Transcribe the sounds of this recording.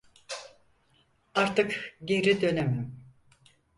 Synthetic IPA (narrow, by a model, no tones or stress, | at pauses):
aɾt̪ɯkɟeɾid̪ø̞nɛmim